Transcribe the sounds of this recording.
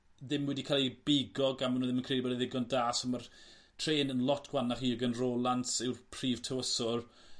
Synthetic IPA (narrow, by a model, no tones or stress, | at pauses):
ðɪmwɛdikʰaːlˠibɪɡɔɡamənoðɪmənkrejdibɛliðɪɡɔndaːsəmar | tʰr̥eːnənlˠɔtʰɡ̥wanaχiːəɡənroːlˠansɪwrpʰriːv̥tʰəwəsɔr